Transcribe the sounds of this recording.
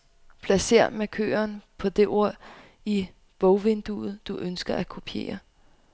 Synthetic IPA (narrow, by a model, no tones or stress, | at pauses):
pʰlæse̝̰ɐ̰mekʰø̰ːɐnpʰɒ̽d̥e̝ʔo̝ɐ̰ | i | b̥ɔʊʋe̝nd̥uð̩ˠd̥uʔønsɡ̥ɐʔækʰo̝pʰe̝̰ːɐ